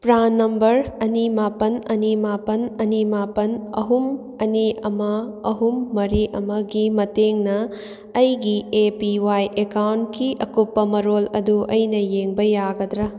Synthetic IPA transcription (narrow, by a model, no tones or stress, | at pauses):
pɾanːɐmbɐɾɐnimapɐnɐnimapɐnɐnimapɐnɐ̰ɦum | ɐniɐmɐɐɦumːɐɾiʔɐmɐɡimɐteŋnɐː | jɡiepiwajʔekawntkiʔɐkupːɐmɐɾolɐduʔɐjnɐjeŋbɐjaɡɐd̪ɾɐ